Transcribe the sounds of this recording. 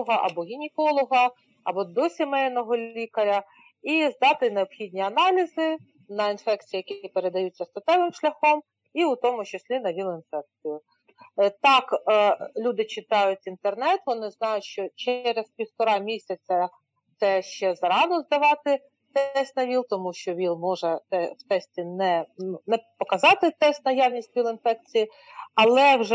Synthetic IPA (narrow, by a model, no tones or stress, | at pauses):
ɔɦɐʔɐ̰bɔɦʲinʲɪkɔlˠɔɦɐ | ɐ̰bɔd̪ɔsʲimɛjnɔɦɔlʲikɐɾʲɐ | izd̪ɑt̪ɪneɔpxʲidʲnʲiɐnɑlʲizɪ | nɐinfɛk̚t͡sʲijɐjɐkʲiipeɾe̞d̪ɐjutʲt͡sʲːɐst̪ɐt̪ɛʋɪmʃlʲɐxɔm | iʊt̪ɔmʊt͡ʃesʲlʲinɐʋʲilˠɪnfɛk̚t͡sʲijʊ | t̪ɑklʲud̪ɪt͡ʃɪt̪ɑjʊtʲint̪ernɛt̪ʋɔnɪznɑjʊtʲʃt͡ʃɔt͡ʃɛɾezpʲiwt̪ɔɾɑmʲisʲɐt͡sʲɐ | t̪sɛʃt͡ʃɛzɾɑnʊzd̪ɐʋɑt̪ɪ | t̪ɛɛsʲt̪ʲnɐʋʲilˠt̪ɔmuʃt͡ʃɔʋʲilˠmɔʒɛt̪ɛwt̪ɛsʲtʲinɛnnɛpɔkɐzɑt̪ɪt̪ɛsʲt̪ʲnɐjɑwnʲisʲtʲʋʲilˠɪnfɛk̚t͡sʲiji | ɐlˠɛwʒ